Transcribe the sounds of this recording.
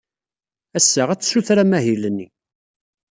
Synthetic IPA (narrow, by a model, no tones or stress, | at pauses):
æsːəʁæt͡sːə̥suθɾæmæɦilənːi